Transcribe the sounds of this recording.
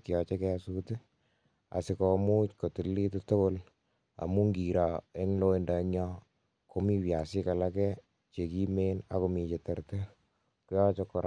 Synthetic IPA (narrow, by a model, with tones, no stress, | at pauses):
ki˨ɔ˨t͡ʃe˦kɛasute˦ | a̰˨sɪ˨ko˨mu˦t͡ʃko˨ti˨li˦tu˦to˦bo˦l | a̰˨mu˦ŋɡi˨ɾa˨e˦ŋlo˦e˦nda˨˦ɲɔ˦ | ko˨mi˦wja˨sɪ˦ka˨la˦kɛ˦ | t͡ʃe˨ki˦me˦na˦ko˨mi˨t͡ʃe˨te˨ɾte˦ | ku˦jɔ˦t͡ʃɔ˧kɔɾ